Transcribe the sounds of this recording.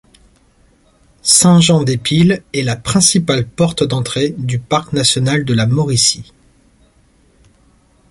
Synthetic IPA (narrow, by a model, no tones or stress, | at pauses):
sɛ̃ʒɑ̃d̪epilɛlapχɛ̃sipalpɔʁt̪d̪ɑ̃t̪χed̪ypaʁknasjɔnald̪əlamɔʁisi